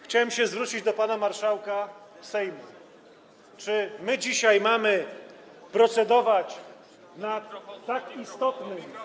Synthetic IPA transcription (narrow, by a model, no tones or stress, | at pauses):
xt͡ɕawɛmɕɛzvɾut͡ɕid͡ʑd̪ɔpanamaɾʂawka | sɛjmu | t͡ʂɘmɘd͡ʑiɕajmamɘ | pɾɔt̪sɛd̪ɔvat͡ɕ | nat̪akist̪ɔt̪nɘ